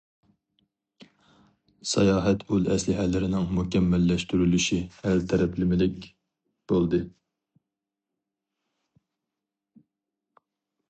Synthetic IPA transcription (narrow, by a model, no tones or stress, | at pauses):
sɑjɑːɦɛt̪ʰylɛ̰slɪɦælɪɾɪnɪŋmukʲɛmːælːɛʃt̪yɾylyʃihælt̪ʰɛɾɛplɪmɪlɪkʲ | b̥olˠd̪ɨ